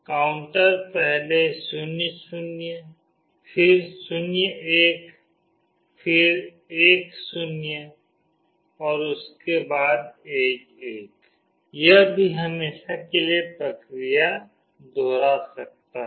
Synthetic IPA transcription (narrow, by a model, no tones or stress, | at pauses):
kaːʊ̃ɳʈəɾpɛɦlesʊnsʊnje | fʰɪɾsʊnjeːk | fʰɪɾ | eːksʊnje | ɔːɾʊskebaːd̪eːk | eːk | jəɦbʱiɦɐmeːʃakeliepɾɐkɾija | d̪ʱoːɾasɐk̚t̪a